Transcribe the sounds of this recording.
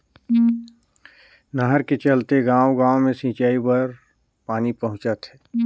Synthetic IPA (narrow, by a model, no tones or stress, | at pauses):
nəɦəɾket͡ʃəlt̪eɡãːwɡãːomẽsĩːt͡ʃaːibəɾ | paːnipɐɦʊ̃t͡ʃət̪ɦɛː